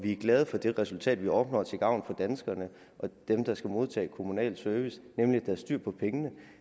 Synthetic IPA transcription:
ʋiæɐɡ̥lɛːð̞ˠəfɒ̽d̥e̝ʁɛsult͡sʰɛ̰ːd̥ʋiɒ̽b̥nɒ̰ːt͡sʰe̝ɡ̥ɑ̈ʊ̰nfɒ̽d̥ænsɡ̥ɐnə | ʔɒ̽d̥emd̥ɑ̈sɡ̥æmo̝ð̞ˠt͡sʰɛ̰ːkʰo̝munɛ̰ːld̥søɐʋisnemlid̥æɐsd̥yɐ̰pʰɒ̽pʰeŋənə

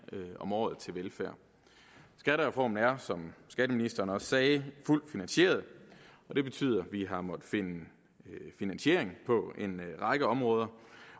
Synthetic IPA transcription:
ɒ̽mɒ̰ːð̩ˠt͡sʰe̝lʋelfæɐ̰ | sɡ̥æɾəʁɛfɒ̰ːmn̩æɐsɒ̽msɡ̥æd̥əminisd̥ɐːnɒ̽ssɛːful̰d̥finænɕe̝̰ɐð̞̩ˠɒ̽d̥e̝b̥e̝t͡sʰy̰ːð̰ˠɐʋiɦɑ̈mɒ̽d̥fe̝nə | finænɕe̝̰ɐ̰eŋpʰɒ̽e̝nʁɑ̈ɡ̥əɒ̽mʁɔ̽ːð̞ˠɐ

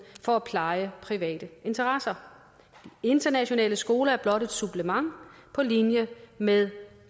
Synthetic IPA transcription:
fɒ̽æpʰlɑ̈ɪəpʰʁiʋɛ̰ːd̥əʔe̝nt͡sʰɐʁɑsɐ | d̥ie̝nd̥ɐnæɕo̝nɛ̰ːləsɡ̥o̝ːlɐæɐb̥lɒ̽ɾe̝d̥sub̥ləmɑ̈ŋpʰɒ̽linjəmeðˠ

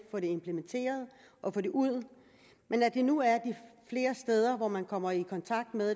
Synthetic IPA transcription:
fɒ̽ɾe̝empʰlement͡sʰe̝̰ːɐð̞ˠ | ʔɒ̽fɒ̽ɾe̝ʔuð̞̰ˠ | menæd̥e̝nuæɐd̥ifle̝ːɐsd̥eːð̞ˠɐʋɒmænkʰɒ̽m̰ɐikʰɒ̽nt͡sʰɑ̈ɡ̥̚d̥meðˠ

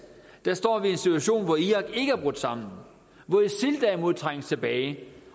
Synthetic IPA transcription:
d̥æɐsd̥ɒ̰ːʋie̝nsit͡sʰuæɕo̝̰ːnʋɒiɑ̈ɡ̥e̝ɡ̥əæɐb̥ʁɔ̽d̥sɑ̈m̰n̩ | ʋɒisild̥æɐimo̝ð̞̰ˠt͡sʰʁaŋ̰əst͡sʰe̝b̥ɛːɪ

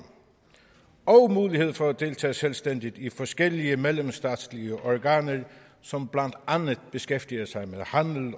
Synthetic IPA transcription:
ɒ̽ʊmuːlihe̝ð̞̰ˠfɒ̽æd̥e̝ːlt͡sʰɛ̰ːselsd̥en̰d̥id̥ifɒ̽sɡ̥el̰iəmelemsd̥ɛ̰ːd̥sliəʔɒɡ̥æ̰ːnə | sɒ̽mb̥læn̰d̥ɑnəð̩ˠb̥e̝sɡ̥efd̥iɐsɑ̈ɪmeðˠhænl̩

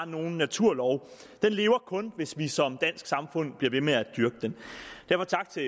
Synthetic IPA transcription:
no̝ːn̩ːæt͡sʰuɐlɒʊ | d̥enle̝ːʊɐkʰɔ̽nʋe̝sʋisɒ̽md̥æn̰sɡ̥sɑ̈mfɔ̽n̰b̥liɐʋe̝meæd̥yɐɡ̥əd̥end̥æɐfɒ̽t͡sʰɑ̈ɡ̥t͡sʰe̝

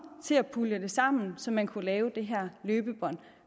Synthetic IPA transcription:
t͡sʰe̝æpʰuləd̥e̝sɑ̈m̰n̩sɒ̽mːænkʰulɛːʊd̥e̝ɦæɐ̰løːb̥əb̥ɒ̽n̰

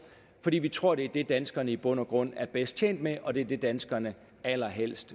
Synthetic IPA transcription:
fɒ̽d̥ḭːʋit͡sʰʁo̝ɐ̰ɾ̥e̝ɐd̥e̝d̥ænsɡ̥ɐnəib̥ɔ̽n̰ɒɡ̥ʁɔ̽n̰æɐb̥esd̥̚t͡ɕʰḛːnd̥meʔɒ̽d̥e̝æɐd̥e̝d̥ænsɡ̥ɐnə | æl̰ɐɦel̰sd̥

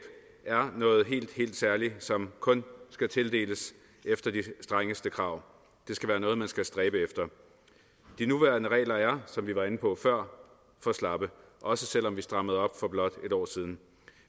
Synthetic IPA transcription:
b̥ | æɐnɔ̽ːð̞̩ˠɦe̝̰ːld̥he̝̰ːld̥sæɐlisɒ̽mkʰɔ̽nsɡ̥æt͡sʰe̝ld̥e̝̰ːləs | ʔefd̥ɐd̥isd̥ʁaŋəsd̥əkʰʁɑ̈ʊ̰ | d̥e̝sɡ̥æʋæːɐnɔ̽ːð̞̩ˠmænsɡ̥æsd̥ʁɛːb̥əefd̥ɐ | d̥inuʋæɐɐnəʁɛ̰ːlɐæɐsɒ̽mʋiʋɑ̈e̝nəpʰɒ̽fɶɐ̰ | fɒslɑ̈b̥əʔɒ̽səsel̰ɒ̽mʋisd̥ʁɑ̈məð̞̩ˠɒ̽b̥fɒ̽b̥lɒ̽d̥e̝ɾ̥ɒ̰ːsiːð̞ˠn̩

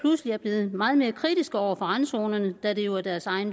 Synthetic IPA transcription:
lusliæɐb̥le̝ːð̞̩ˠmɑ̈ːð̞̩ˠme̝ːɐkʰʁid̥isɡ̥ɒʊ̰ɐfɒ̽ʁanso̝ːnɐnəd̥æd̥e̝joæɐd̥æɐsɑ̈ɪn

